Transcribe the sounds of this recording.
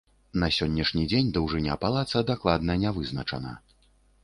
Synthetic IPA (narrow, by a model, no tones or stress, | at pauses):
nɐsʲɔnʲːɐʂnʲid͡zʲenʲd̪ɐwʐɨnʲa̰palˠat̪sɐd̪aklˠad̪nɐnʲɛvɨznɐt͡ʂɐ̰nɐ̰